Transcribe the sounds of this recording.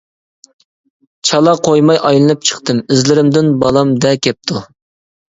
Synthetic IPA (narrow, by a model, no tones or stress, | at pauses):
t͡ʃʰɑlˠɑqʰojmɑjʔɑjlˠɨnɨp̚t͡ʃʰə̥χt̪ɨmɪzlɪɾɪmd̪ɪnbɑlˠɑmd̪ɛkʲʰɛp̚t̪ʰu